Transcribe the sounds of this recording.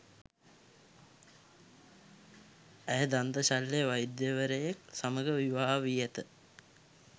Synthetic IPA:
æjəd̪and̪əɕalːeʋajd̪jəʋəɾejeksaməɡəʋiʋaːɦaʋijət̪ə

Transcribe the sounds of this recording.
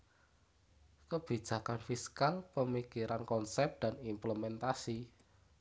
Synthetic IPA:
kəb̥i̤̥d͡ʒ̥a̤kanfiskalpəmikiɾankɔnsɛp̚d̪̥a̤nimpləmɛnt̪asi

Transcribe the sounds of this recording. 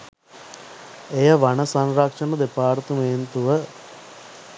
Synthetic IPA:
ejəʋanəsanɾakʂɐnɐd̪epaːɾt̪ument̪uʋə

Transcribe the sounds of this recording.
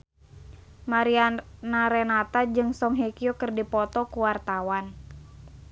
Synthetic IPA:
maɾianaɾenat̪ad͡ʒɨŋsɔŋɦekiokərdipɔt̪ɔkuwart̪awan

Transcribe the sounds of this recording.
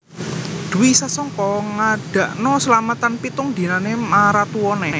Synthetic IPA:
d̪̥uwisasɔŋkɔŋaɖ̥a̤ʔnɔsəlamət̪anpit̪ʊŋd̪̥i̤nanemaɾat̪uɔne

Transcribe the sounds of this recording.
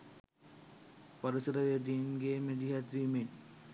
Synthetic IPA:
poɾisəɾəʋeəd̪iːnɡeːmed̪iɦat̪ʋimen

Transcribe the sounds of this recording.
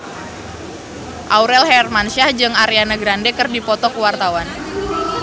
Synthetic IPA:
ʔauɾɛlhɛrmanʃahd͡ʒɨŋaɾeanaɡɾandɛkɨrdipɔt̪ɔkuwart̪awan

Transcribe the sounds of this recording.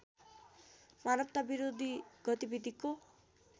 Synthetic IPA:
maɾəp̚t̪abiɾod̪iɡ̥ɔt̪ibid̪iko

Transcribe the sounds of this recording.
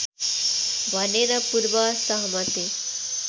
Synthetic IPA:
ʋaneɾapuɾbasəɦmət̪e

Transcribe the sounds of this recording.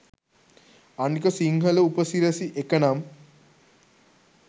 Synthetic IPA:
ɐɳkɐsiŋɦɐlɐupɐsiɾɐsiʔekɐnam

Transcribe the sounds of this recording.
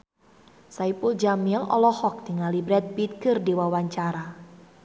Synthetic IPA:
saipuld͡ʒamjəŋɔ̰lɔhɔk̚t̪iŋalibɾɛt̪̚bit̪̚kɨrdiwawaɲt͡ʃaɾa

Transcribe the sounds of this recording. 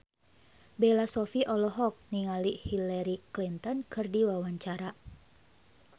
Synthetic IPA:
belasɔfiʔɔlɔɦɔk̚niŋalihilaɾiklint̪ɔnkʰɨrdiwawaɲt͡ʃaɾa

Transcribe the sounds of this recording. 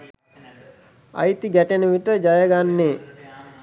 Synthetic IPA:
a̰jt̪iɡæʈenəʋiʈəd͡ʒajəɡanːeː

